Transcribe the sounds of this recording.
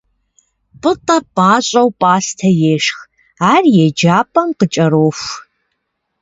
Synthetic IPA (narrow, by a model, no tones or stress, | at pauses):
pʼɨtʼɐpʼaːɕʼɐwpʼaːstʰɐjeːʂx | aːrjɛd͡ʒaːpʼɐmqət͡ʃʼɐɾoːxʷ